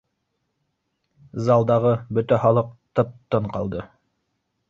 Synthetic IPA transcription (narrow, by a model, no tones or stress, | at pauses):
zɑlˠd̪ɑʁɤbɵt̪æhɑlˠɤq̚t̪ɤp̚t̪ːɤɴqɑ̰lˠd̪ɤ